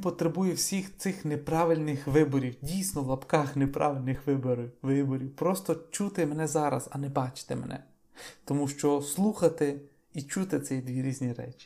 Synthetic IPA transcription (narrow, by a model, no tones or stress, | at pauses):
ʋʲinpɔt̪ɾebujɛwsʲixt̪sɪxnepɾɑʋɪlʲnɪxʋɪbɔɾʲiwdʲijsʲnɔlˠɐpkɑxnepɾʔɑ̰ʋɪlʲnɪxʋɪbɾʋɪbɔɾʲiwpɾɔst̪ɔt͡ʃut̪ɪmɛnɛzɑɾɐ̰zɐnɛbɑt͡ʃɪ̥t̪ḛmɛ̰nʔɛ̰ | t̪ɔmuʃt͡ʃɔslˠuxɐt̪ɪ | it͡ʃut̪ɪt̪sɛjd̪ʲʋʲiɾʲizʲnʲiɾɛ̰t͡ʃi̥